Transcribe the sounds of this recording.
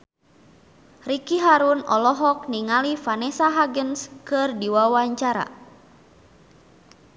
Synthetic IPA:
rikiɦaɾunɔlɔɦɔk̚niŋalifanɛsaɦaɡənskɨrdiwawaɲt͡ʃaɾa̰

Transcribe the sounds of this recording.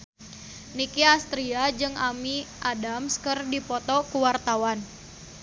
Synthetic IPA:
nikiast̪ɾiad͡ʒɨŋamiʔadamskɨrdipɔt̪ɔkuwart̪awan

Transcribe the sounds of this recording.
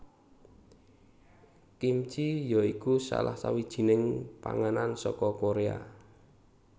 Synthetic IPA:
kimt͡ʃijɔikusa̰la̰hsawid̥ʒ̥i̤nɪŋpa̰ŋanansɔkɔkoɾea̰

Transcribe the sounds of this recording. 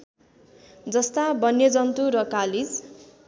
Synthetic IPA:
d͡zʌst̪abʌnːjʌd͡zʌnt̪uɾʌkalid͡z

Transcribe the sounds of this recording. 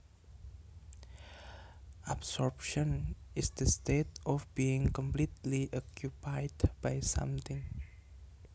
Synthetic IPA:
ʔabsɔɹpʃɔ̃nɪsd̪̥əstetɔfbiɪ̃ŋkɔ̃mplit̪liʔɔkjupajdb̥ajsã̰mt̪ɪ̃ŋ

